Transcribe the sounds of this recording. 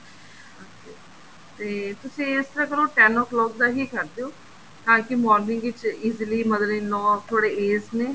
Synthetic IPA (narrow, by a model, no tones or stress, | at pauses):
okeː | t̪eːt̪ʊsĩːɪst̪əɾãːkəɾoːʈɛːnɔːklɔːk̚d̪aːɦiːkəɾd̪eoː | k̪ãːkɪmɔːɾnɪ̃ŋɡʋɪt͡ʃiːzliːməd̪leːnɔ̃ːt̪ʰoːɽeːeːsneː